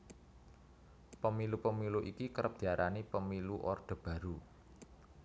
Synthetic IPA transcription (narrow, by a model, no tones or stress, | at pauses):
pəmilupəmiluʔikikəɾəp̚d̪̥i̤aɾʔanipəmiluʔɔrd̪̥ə̤b̥a̤ɾu